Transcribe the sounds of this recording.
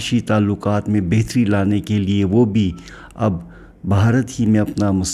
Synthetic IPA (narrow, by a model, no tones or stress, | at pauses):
ʃit̪aːlːʊqaːt̪mẽbeːt̪ɾilaːnekelieʋobʱi | ɐbːʱ | aːɾət̪ɦimẽɐpnamʊs